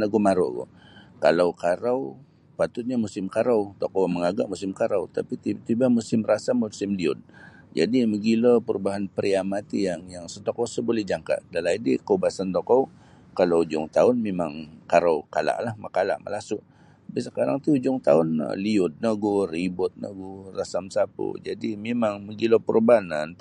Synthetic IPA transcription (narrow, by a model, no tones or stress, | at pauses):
nəɡumaɾʊ̰ʔɡʊ̰kalawkaɾaw | pat̪ʊt̪̚ɲamusɪmkaɾawt̪okowməŋaɡa̰ʔmusɪmkaɾawt̪apit̪it̪ibamusɪmrasamusɪmliʊt̪̚ | d͡ʒa̰diməɡiləpəɾubaɦanpəɾiamat̪ijaŋjaŋsət̪okɔwsəbolɛhd͡ʒaŋka̰dalaidḭkəubasant̪okɔw | kalawd͡ʒʊ̰ŋt̪aʊnmemaŋkaɾawkala̰ʔlahmakala̰ʔmə̰lasʊʔ | apisəkaɾaŋt̪ud͡ʒʊŋt̪a̰ʊn̰liʊd̪̚naɡuribʊt̪̚nə̰ɡurasamsapṵd͡ʒadimemaŋməɡilopəɾʔubaɦanan